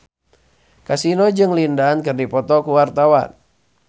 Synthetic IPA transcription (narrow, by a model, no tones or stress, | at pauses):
kasinɔd͡ʒɨŋlindaankɨrdipɔt̪ɔkuwart̪awa̰n